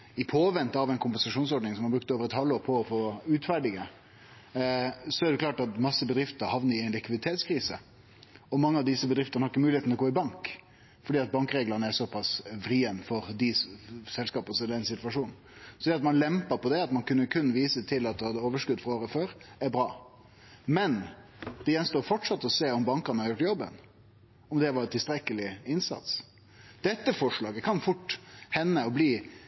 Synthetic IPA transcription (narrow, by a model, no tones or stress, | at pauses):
ɪpʰoːʋɛnt̪ɑʋɛɪnkʰʊmpɛnsɑʂuːnsɔɖnɪŋsɔmhɑbɾʉk̚t̪əoːʋəɾɛt̪hɑlːoːɾpʰɔɔfoːʉːt̪fæɖɪɡə | sɔæɾd̪ɛklɑːʈɑt̪mɑsːəbəd̪ɾɪft̪əɾhɑʋnəɾɪɛɪnlɪkʋɪd̪ɪt̪ʰeːt̪skʰɾiːsə̰ | ɔmɑŋːəɑʋd̪ɪsəbəd̪ɾɪft̪əɾnəhɑɾɪkːəmʉːlɪet̪nlɔɡoːɪbɑŋk | fɔɖiːɑt̪̚bɑŋkɾeːɡlənəæɾsɔpɑsfɾiːənfɔɾd̪ɪsɛlskɑːpəsɔɛlɛɛnsɪt̪ʋɑʂuːnn̩ | sɔd̪ɛɑt̪mɑnlɛmpəɾpɔd̪ɛɑt̪mɑnkʉnːəkʰʉnːʋiːsət̪ʰɪlɑt̪̚d̪ɛhɑd̪ːəoːʋəʂkʉd̪ːfʁɑoːɾəføːɾæɾbɾɑ̰ː | mɛnd̪ɛjɛnst̪oːɾfɔʈʂɑt̪ːɔseːɔmbɑŋkɑɾnəhɑɾjʊʈːjɔbːə̰n | ɔmd̪ɛʋɑɾʈ̪ɪlst̪ɾɛkəlɪɪnsɑ̰t̪s | d̪̥ɛt̪ːəfɔʂɭɑːɡəkʰɑnfʊʈːhɛnːəɔbliː